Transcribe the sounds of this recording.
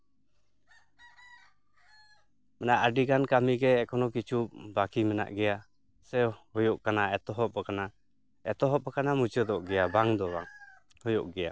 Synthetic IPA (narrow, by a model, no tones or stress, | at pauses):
mɛnaʔadikankamiɡɛɛkɔnɔkit͡ʃup̚bakimɛna̰ʔɡɛja | sɛhɔjɔʔkanaɛt̪ɔɦɔp̚ːɔkana | ɛt̪ɔɦɔp̚ːɔkanamut͡ʃəd̪ɔʔɡɛjabaŋd̪ɔba̰ŋ | hɔjɔʔɡɛja̰